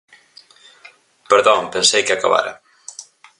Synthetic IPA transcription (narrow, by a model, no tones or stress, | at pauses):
pəɾðɔmpensejkeaka̰βa̰ɾa̰